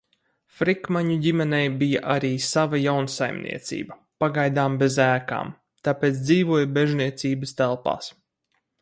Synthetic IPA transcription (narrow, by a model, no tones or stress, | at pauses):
fɾikmaɲuɟʲimɛnɛjbija̰ʔaɾiːsavajawnsajmnḭɛt̪sḭːbɐ | paɡajd̪aːmbezæːka̰ːm | t̪apeːt̪sd̪ziːvuɔjbeʒniɛt̪siːbɐst̪ælˠpa̰ːs